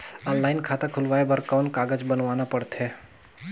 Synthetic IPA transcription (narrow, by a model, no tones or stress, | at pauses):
ɔ̃ːnlaːɪnkʰaːt̪akʰʊlʋaːebɐɾkaːnkaːɡəd͡ʒbənʋaːnapəɽt̪ɦɛː